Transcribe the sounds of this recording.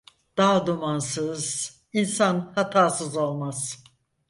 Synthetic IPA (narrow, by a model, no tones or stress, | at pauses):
d̪̥ad̪umansɯz̥ | insanhat̪ʰaːsɯzo̞lˠmaz̥